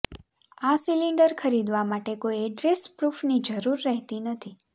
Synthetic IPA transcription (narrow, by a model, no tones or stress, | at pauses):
asiliɳɖəɾkʰəɾid̪ʋamaʈekoieɖɾespɾufnid͡ʒəɾuɾːəɦt̪inət̪ʰi